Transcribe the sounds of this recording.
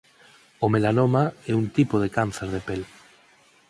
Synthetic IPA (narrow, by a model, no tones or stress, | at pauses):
omelanomaɛunt̪ipoð̞ekanθeɾð̞epel